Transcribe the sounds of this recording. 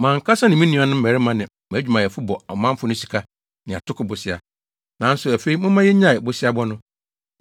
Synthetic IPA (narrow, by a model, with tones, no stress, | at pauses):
mãː˨ŋ̩˨kʰa˦sa˦nɪ̃˨mĩ˦nĩ˦a˨nʊ̃˦m̩˦˨æ˨ɾɪ˦mã˦nɪ̃˨ | m˨˦d͡ʑᶣu˨mã˨jɛ˨fʊ˦bɔ˨ɔ˨mã˦m˦fʊ˦nʊ̃˦si˨kʰa˦ | nɪ̃˨a̰˨tʰʊ˦kʊ˨bʊ˨sɪ˦a̰˨ | nã˨˦n̩˦sʊ˨æ˨fe˦i˦mʊ̃˦mã˦jɛ˦ɲã˦˨ɪ˨bʊ˨sɪ˦a˦bɔ˦nʊ̃˦